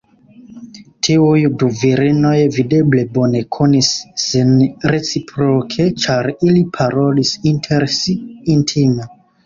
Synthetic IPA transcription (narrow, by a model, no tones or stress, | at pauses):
tʰiujduviɾino̞jvide̞ble̞bo̞ne̞kʰo̞nisːinɾe̞t͡sipʰɾokʰe̞t͡ʃaɾilipʰaɾo̞lisintʰeɾsiːntʰime